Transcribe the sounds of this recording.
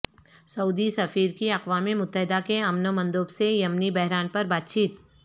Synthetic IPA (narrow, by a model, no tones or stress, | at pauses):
sɐuːd̪isɐfiːɾkiɐqʋaːmimʊt̪ːəɦɪd̪akeɐmnəmɐ̃nd̪oːbsejɐmnibɛɦɾaːnpɐɾbaːt̪̚t͡ʃiːt̪